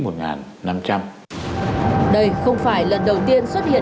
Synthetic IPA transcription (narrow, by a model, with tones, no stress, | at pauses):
mo˨˩t̚ŋa̰ː˨˩nːa˧mt͡ɕa˧m | ɗə˧jxə˧wŋ͡mfaː˧˩jlə˨˩nɗə˨˩wt̪i˧ənswə˦˥t̚hḭ˧˨